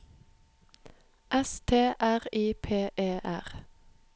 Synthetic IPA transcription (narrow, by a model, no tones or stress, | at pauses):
ʔɛst̪ʰeːʔæʁiːpʰeːʔeːʔæʁ